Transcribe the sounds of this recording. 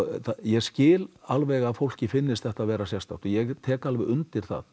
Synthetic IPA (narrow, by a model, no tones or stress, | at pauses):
θajɛɣscɪːlalvɛɣaðfowl̥cɪfɪnːɪst̪θɛht̪aðvɛːɾasjɛst̪a̰w̥t̪ʏjɛɣt̪ʰɛːkalvɪðʏnt̪ɪɾ̥θa̰ð